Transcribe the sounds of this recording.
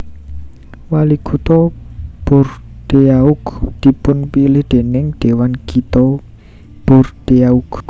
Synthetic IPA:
waliɡut̪ɔb̥ʊrɖ̪̥eaʊkd̪̥i̤pʊnpilɪhd̪̥e̤nɪŋɖ̪̥e̤wankit̪ɔ | b̥ɔrɖ̪̥eauk

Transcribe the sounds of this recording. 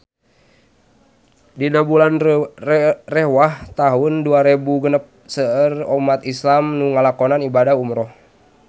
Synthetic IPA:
dinabulan | rɛwaht̪aɦʊnduaɾebuɡənəp̚səərɔmat̪islamnuŋalakɔnanibadahumɾɔh

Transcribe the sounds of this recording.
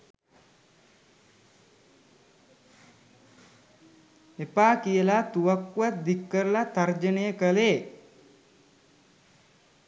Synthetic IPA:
epaːkijəlat̪uʋakːuʋat̪̚d̪ikːəɾəlat̪ard͡ʒənejəkəleː

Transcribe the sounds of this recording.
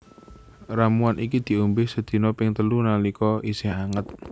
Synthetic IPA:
ramuanʔikid̪̥i̤umbɪhsəd̪̥i̤nɔpɪŋt̪əlunalikɔisɪhaŋət̪̚

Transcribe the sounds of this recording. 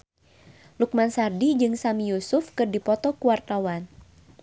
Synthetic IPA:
luk̚mansardid͡ʒɨŋsamijusʊfkɨrdipɔt̪ɔkuwart̪awan

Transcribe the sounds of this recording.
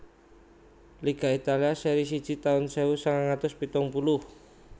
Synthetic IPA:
liɡ̥a̤it̪aliasɛɾis̬id̥ʒ̥i̤t̪aʊnseusaŋaŋat̪ʊspit̪ʊŋpulʊh

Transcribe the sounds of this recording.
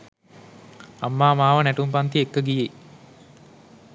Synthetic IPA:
amːaːmaːʋənæʈumpant̪iekːəɡije

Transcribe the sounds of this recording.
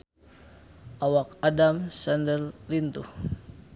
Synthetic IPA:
ʔawakadamsandəllint̪uh

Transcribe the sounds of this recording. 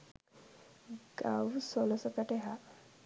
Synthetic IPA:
ɡawsɔlɔsakaʈeɦa

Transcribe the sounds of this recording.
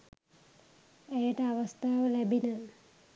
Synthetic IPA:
ejəʈəaʋəst̪ʰaːʋəlæbinə

